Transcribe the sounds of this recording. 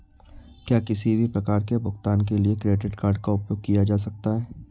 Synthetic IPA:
kjaːkɪsibʱipɾɐkaːɾkebʊxt̪aːnk̬eliekɾeːɖɪʈkaːɾɖkaʊpjoːɡ̚kijad͡ʒaːs̬ɐk̚t̪aɦɛː

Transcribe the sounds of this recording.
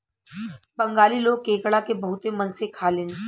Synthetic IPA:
bɐ̃ŋɡaːliloːɡ̚kẽːkɽakebɐɦʊt̪emɐnsekʰaːlẽːn

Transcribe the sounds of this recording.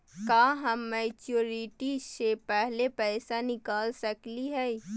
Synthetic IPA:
kaːɦəmːɛːt͡ʃjuːɾiʈisepɛɦlepɛːsanɪkaːlsəkliɦɛ

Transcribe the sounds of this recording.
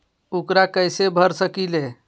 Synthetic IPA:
ukɾakəjsebʱəɾsəkile

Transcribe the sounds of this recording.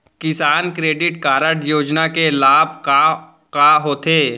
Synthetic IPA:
kɪsaːnkɾeːɖɪʈkaːɾəʈjoːd͡ʒnakelaːbʱka | kaɦoːt̪ʰeː

